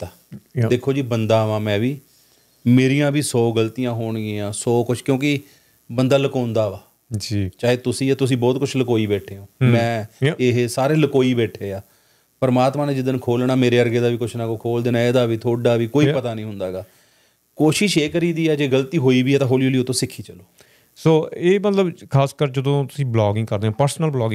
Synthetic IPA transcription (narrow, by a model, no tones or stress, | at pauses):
t̪a | d̪eːkʰːoːd͡ʒiːbənd̪aːʋãːmɛ̃ːʋiː | meːɾijãːbiːsɔːɡəlt̪ijãːɦoːɳ̃ːẽːãːsɔːkʊt͡ʃʰkjõːkɪ | bənd̪aːləkaːʊ̃nd̪aːʋaː | d͡ʒt͡ʃaːɦeːt̪ʊsĩːɛːt̪ʊs̬ĩːbɔːt̪̚kʊt͡ʃʰləkoːiːbɛːʈʰeːɦõːmɛ̃ːeɦsaːɾeːləkoːiːbɛːʈʰeːaː | pəɾmaːt̪mãːnẽːd͡ʒɪd̪ənkʰoːlnaːmeːɾeːəɾɡeːd̪aːʋiːkʊt͡ʃʰnãːkoːkʰoːld̪eːnaːeːd̪aːʋiːt̪ʰoːɖaːʋiːkoːipət̪aːnĩːɦʊnd̪aːɡaː | koːʃɪʃeːkəɾiːd̪iːɛːd͡ʒeːɡəlt̪iːɦoːiːʋiːɛːt̪ãɦoːlioːliːʊt̪ʰːõːsɪkʰːiːt͡ʃəloː | soːeːmət̪ləbkʰaːskəɾd͡ʒəd̪õːt̪ʊ̥sĩːblɔːɡɪ̃ŋɡkəɾd̪eːãːpəɾsnəlblɔːɡɪ